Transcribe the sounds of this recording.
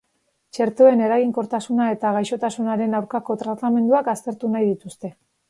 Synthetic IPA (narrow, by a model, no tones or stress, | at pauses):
t͡ʃe̞ɾt̪o̞e̞ne̞ɾaɣiŋko̞ɾt̪asunae̞t̪aɣ̞ajʃo̞t̪asunaɾe̞nawɾkako̞t̪ɾat̪ame̞nd̪uakast̪e̞ɾt̪unajðit̪ust̪e̞